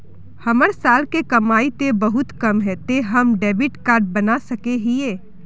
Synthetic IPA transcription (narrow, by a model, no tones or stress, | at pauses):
hɐməɾsaːlkekɐmaːit̪ebəɦʊt̪kɐmɦɛt̪eɦɐmɖɛːbɪʈkaːɾʈ̚bɐnasɐkeɦieː